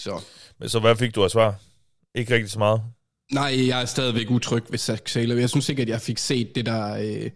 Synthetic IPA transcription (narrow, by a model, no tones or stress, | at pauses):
sɒmensɒ̽ʋæfe̝ɡ̥̚d̥uæsʋɑ̰̈ | ʔe̝ɡ̥əʁɛɡ̥d̥i̥sɒ̽mɑ̈ːð̩ˠ | nɑ̈ɪ̰jɑ̈ɪæɐsd̥ɛːð̞ˠiʋeɡ̥ut͡sʰʁœɡ̥ʋe̝sæɡ̥sɛːlɐjɑ̈ɪsynse̝ɡ̥ɐd̥jɑ̈ɪfe̝ɡ̥se̝̰ːd̥ːe̝d̥æø